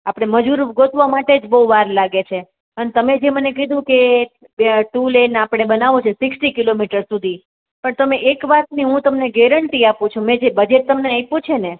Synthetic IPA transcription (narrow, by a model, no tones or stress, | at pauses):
apɽ̃eməd͡ʒuɾɡot̪ʋamaʈed͡ʒbəɦuʋaɾlaɡet͡ʃʰe | ənet̪əmed͡ʒemənekid̪ũke | bʈulenapɽ̃ebənaʋũt͡ʃʰesɪksʈikilomiʈəɾsud̪ʱi | pəɳt̪əmeʔekʋat̪niɦũt̪əmneɡɛɾəɳʈ̪iapũt͡ʃʰũmẽd͡ʒebəd͡ʒet̪̚ːəmneajpũt͡ʃʰene